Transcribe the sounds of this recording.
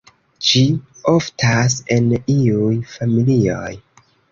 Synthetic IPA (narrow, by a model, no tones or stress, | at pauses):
d͡ʒioftʰaseniujfamilio̰j